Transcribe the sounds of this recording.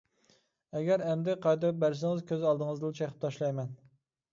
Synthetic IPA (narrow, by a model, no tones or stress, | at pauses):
ɛɡʲɛɾɛmd̪ɪqʰɑjd̪p̚bæɾs̬ɪŋɪzkʲøzɑlˠd̪ɨŋɨzd̪ɨlt͡ʃʰɛχʰə̥p̚t̪ʰɑʃlˠɑjmɛn